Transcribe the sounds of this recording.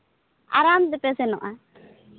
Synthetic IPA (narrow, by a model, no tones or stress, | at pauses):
a̰ɾamd̪ɛpɛsɛnɔʔa